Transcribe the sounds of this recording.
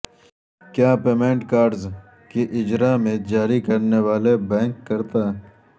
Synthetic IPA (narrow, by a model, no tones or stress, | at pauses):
kjaːpeːmẽːɳʈkaːɾɖz | keʔɪd͡ʒɾamẽd͡ʒaːɾikɐɾneʋaːlebɛ̃ːŋkːɐɾt̪aː